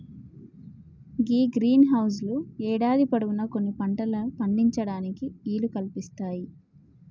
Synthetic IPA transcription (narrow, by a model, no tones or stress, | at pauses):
ɡiːɡɾiːnɦɐws̬luɛːɽaːd̪ipɐɽuɡunɐko̞nːipɐɳʈɐlɐpɐɳɖiɲt͡ʃɐɽaːnikiiːlukɐlpist̪aːji